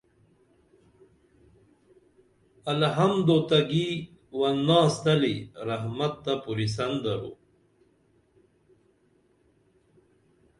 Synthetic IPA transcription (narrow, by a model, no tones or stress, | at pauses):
ɐlɦɐmd̪ot̪ɐɡi | wɐnːaːst̪ɐliɾɐɦmɐt̪ːapuɾis̬ɐnd̪ɐɾo̰